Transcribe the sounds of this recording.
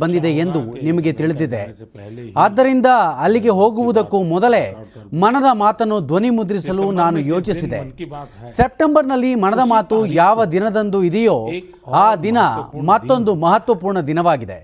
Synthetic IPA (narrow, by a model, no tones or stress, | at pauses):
bɐnd̪id̪eːnd̪unimɐɡe̞t̪iɭid̪id̪e̞̰ | aːd̪ːɐɾind̪ɐɐlːiɡe̞ɦo̞ːɡuʋud̪ɐkːumɔd̪ɐle̞ | mɐnɐd̪ɐmaːt̪ɐnːud̪ʋonimud̪ɾisɐlunaːnujo̞ːt͡ʃisid̪e̞̰sep̚ʈembɐɾnɐlːimɐnɐd̪ɐmaːt̪ujaːʋɐd̪inɐd̪ɐnd̪uid̪ɛjoː | aːd̪inɐmɐt̪ːo̞nd̪umɐɦɐt̪ʋɐpuːɾɳɐd̪inɐʋaːɡid̪e̞̰